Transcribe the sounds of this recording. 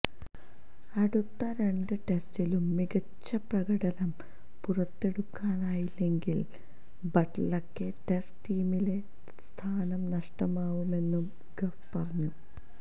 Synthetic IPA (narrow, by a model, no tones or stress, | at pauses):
ɐɽut̪ːɐɾe̞ɳɖɨʈe̞stilumːiɡɐt͡ɕːɐprɐɣɐɽɐnɐm | purɐt̪ːe̞ɽukːaːnaːjilːe̞ŋɡil | bɐʈlɐkːɨʈesʈiːmile̞ | st̪ʰaːnɐmnɐʂʈɐmaːʋume̞nːum | ɡɐfpɐrɐɲːu